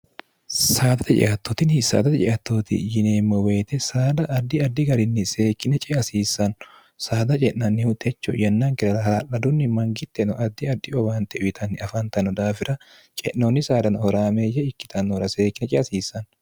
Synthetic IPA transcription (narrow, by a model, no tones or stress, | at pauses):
saːd̪ɐt̪ɐᶑɪ̰ʔɐt̪ːoːt̪ɪnhɪsa̰ːd̪ɐt̪ɐd͡ʒɪʔɐt̪ːoːt̪ɪ̰jɪneːmːɔweːt̪ɛsaːd̪ɐʔːd̪ːɪɐd̪ːɪɡɐɾɪnːɪse̞ːkːɪnɛt͡ʃʼɛɐsiːsɐn | saːd̪ɐt͡ʃʼɛʔnɐnːɪhʊt̪ɛt͡ʃːɔjɐnːaːŋkɪɾɐɾɐhɐɾɐʔɐd̪ʊnːɪmɐŋɡɪt̪ːɛnɔʔɐd̪ːɪɐd̪ːɪɔbaːnt̪ɛʔʊɪt̪ʰɐnːɪɐfɐnt̪ɐnɔd̪aːfɪɾʔɐ | t͡ʃʼɛʔnːoːnːɪsaːd̪ɐnhɔɾaːmejɛɪkːɪ̥t̪ʰɐnːɔɾɐseːkːɪnɛt͡ʃʼɛɐsiːsːɐn